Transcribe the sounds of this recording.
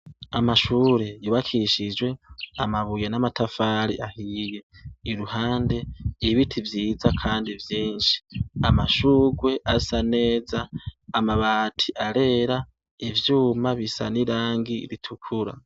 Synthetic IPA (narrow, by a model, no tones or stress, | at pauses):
amaʃuːɾe̞juβakʰiʃid͡ʒwe̞amaβujenamatafaɾiʔahije̞iɾuhaːnde̞iβitʰivjiːzakʰaːndivjiːnʃi̥amaʃuːɡwe̞ʔasane̞ːzaːmaβaːtʰiʔaɾe̞ɾa | ivjuːmaβisa̰niɾaːŋɡḭɾitʰukʰuɾa̰